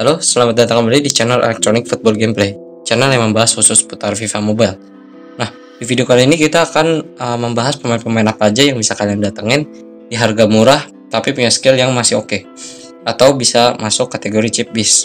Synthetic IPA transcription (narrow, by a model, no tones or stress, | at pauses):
kalosəlamat̪̚dat̪aŋkəmbalidit͡ʃanəlḛlɛk̚t̪ɾonɪk̚fut̪̚bɔlɡemplej | t͡ʃanaljaŋməmbaɦashusʊsput̪arfifamobajl | nah | difidiokaliinikit̪aːkanəməmbaɦaspəmanpəmaɛnapad͡ʒajaŋbisakaliaŋdat̪aŋɪn | diɦarɡamuɾah | t̪apipuɲaskɪljaŋmasɪoke | at̪awbisamasʊkːat̪eɡoɾit͡ʃɪp̚bɪs